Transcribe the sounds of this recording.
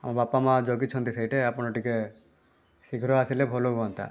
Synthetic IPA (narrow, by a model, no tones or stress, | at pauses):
a̰mabapamad͡ʒɔɡit͡ʃʰɔnt̪isajʈeapɔɽ̃ɔʈike | siɡʱɾɔasilebʱɔloɡɔnt̪a̰